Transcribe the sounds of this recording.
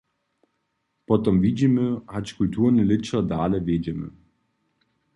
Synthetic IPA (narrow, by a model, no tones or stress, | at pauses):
pɔt̪ɔmvid͡ʑiməhat͡ɕkult̪ʰuːʁnəlɪt͡ɕad̪aːlɛvʲjed͡ʑɛmə̰